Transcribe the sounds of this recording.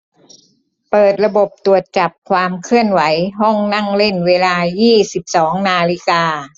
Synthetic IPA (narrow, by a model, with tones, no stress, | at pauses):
pɤː˨˩t̪̚ɾa˧bo˨˩p̚t̪u˨˩ət̪̚t͡ɕa˨˩p̚kʰwaː˧mkʰɯ˥˩ənwa˩˦jɦɔ˥˩ŋna˥˩ŋle˥˩nweː˧laː˧jiː˥˩si˨˩p̚sɔː˩˦ŋnaː˧li˦˥kaː˧